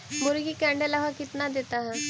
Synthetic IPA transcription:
mʊɾɡikɛ̃ɳɖelaʋakɪt̪nad̪et̪aɦɛ̃

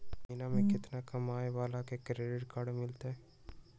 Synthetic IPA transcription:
minamẽkɪt̪nakɐmaːjʋaːlakekɾeːɖeɾkaɽmɪlt̪eɦɛ

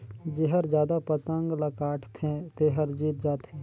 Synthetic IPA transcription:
d͡ʒeɦəɾd͡ʒjaːd̪apət̪ə̃ŋɡləkaːʈʰt̪ʰẽt̪eɦəɾd͡ʒiːt̪̚d͡ʒaːt̪ɦẽː

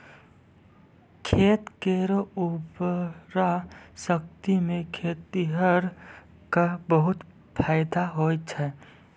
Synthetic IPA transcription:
kʰeːt̪keɾubɾasək̚t̪imẽkʰeːt̪iɦəɾ | kabəɦʊt̪ | pʰaːɪd̪aɦoːt͡ʃʰɛ

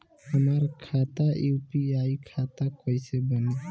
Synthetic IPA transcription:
əmaɾkʰat̪ajupiajkʰat̪akɔjsɛbɔn

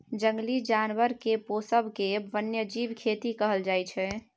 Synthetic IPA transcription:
d͡ʒəŋɡlid͡ʒanwəɾkeposəbʱkebənjəd͡ʒibkʰet̪ikəɦəld͡ʒajt͡ʃʰɛ

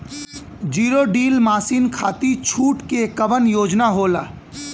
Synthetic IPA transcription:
d͡ʒiːɾoɖiːlmaːsinkʰaːt̪it͡ʃʰuːʈkekəbənjoːd͡ʒnaɦoːla̰ː

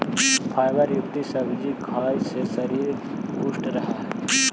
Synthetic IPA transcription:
pʰaːjʋəɾjʊkt̪isɐbʱd͡ʒikʰaːjsesɐɾiːɾ | kusʈɾɐɦaɦɛ

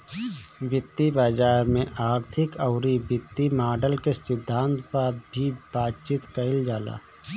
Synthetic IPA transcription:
bɪt̪ːibaːd͡ʒaːɾmẽʔaːɾt̪ʰɪkəʊɾibɪt̪ːimaːɖəlkesɪd̪ʱːãːnt̪paɾbʱibaːt̪̚t͡ʃiːt̪kəɪld͡ʒaːla̰ː

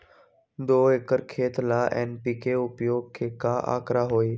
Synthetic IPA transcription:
d̪oːekəɾkʰeːt̪laːʔɛːnpiːkeʊpjoːɡ̚kʰeːkaːʔa̰ːkɾaɦoːiː

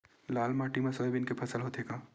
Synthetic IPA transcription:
laːlmaːʈimasoebɪnkepʰɐsəlɦoːt̪ɦeːɡaː

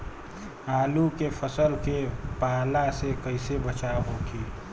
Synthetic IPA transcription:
aːlukepʰəsəlkepaːlasekəɪsebət͡ʃaɦokʰi

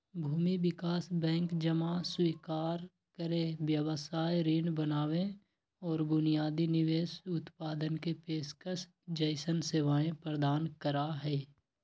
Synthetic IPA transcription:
bʱuːmibɪkaːsbɛ̃ːŋkd͡ʒəmaswiːkaːɾ | kəɾẽʋjəwəsaːjɾiːnbənaːwẽ | ɔːɾbʊnijaːd̪inɪʋeːʃʊt̪paːd̪ənkepeːskəs | d͡ʒəɪsənseːʋaːẽpɾəd̪aːnkəɾaɦɛː

